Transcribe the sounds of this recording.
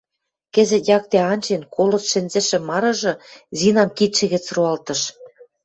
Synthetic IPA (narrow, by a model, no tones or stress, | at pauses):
kɘ̆zɘ̆t̪jɑk̚t̪eɑnʲt͡ɕenkʰolŏt͡sʃɘ̆nzĕʃĕmːɑɾɤ̆ʒɤ̆zinɑmkit̪ʃɘ̆ɣɘ̆t͡sruɑlt̪ɤ̆ʃ